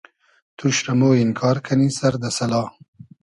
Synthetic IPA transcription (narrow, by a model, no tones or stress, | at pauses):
t̪ʰuʃɾamoːɪnkʰɑːɾkʰanisaɾd̪əsɐlɑː